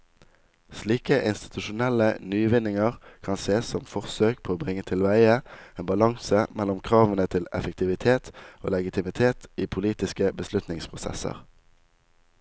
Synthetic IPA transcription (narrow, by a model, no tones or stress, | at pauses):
sliːkəʔɪnst̪ɪ̥t̪ʰʉʃʊnɛlənyːʋɪnɪŋəʁkʰɑnseːsɔmfɔʁsøːk̚pʰoːoːbʁɪŋːət̪ʰɪlʋæɪəeːnbɑlɑŋsəmɛlʊmkʰʁɑːʋənət̪ʰɪlɛ̰fəkt̪ʰɪʋɪt̪ʰeːt̪o̰ːlɛɡɪt̪ʰɪmɪt̪ʰeːt̪iːpʰʊliːt̪ɪskəbəslʉt̪nɪŋspʰʁʊsɛ̰sə̰ʁ